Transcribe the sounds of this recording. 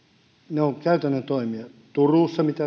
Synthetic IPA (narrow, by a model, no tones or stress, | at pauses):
neoŋkæyt̪ænːæt̪oimiɑt̪uruːˑsːɑmit̪æ